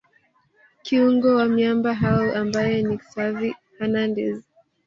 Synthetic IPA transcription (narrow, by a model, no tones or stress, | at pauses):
kʰiuŋɡɔwamjambaɦauʔambajɛniksavihanandɛz